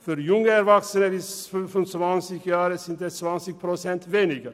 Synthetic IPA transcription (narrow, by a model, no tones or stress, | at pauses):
fɔɾjʊŋːəæɾʋɑksənəʋifʉmfɔnsʋɑnsɪkjɑːɾəsɪnt̪əsʋɑnsɪk̚pʰɾʊsɛnt̪ʋeːnɪɡə